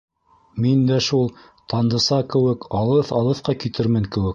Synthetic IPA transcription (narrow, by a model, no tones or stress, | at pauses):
mind̪æʃulˠ | t̪ɑnd̪ɤ̆sɑkɘ̆wɘkɑlˠɤθɑlˠɤ̆θqɑkit̪ʰɘɾmɘŋkɘ̆wɘk̚